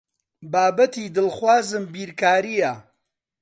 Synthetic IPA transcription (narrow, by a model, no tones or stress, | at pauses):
baːbɐt̪id̪ɨlxwaːzɨmbiːɾkaːɾijɐ